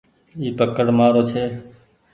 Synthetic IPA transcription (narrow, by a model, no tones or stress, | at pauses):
iːpəkəɽmaːɾoːt͡ʃʰeː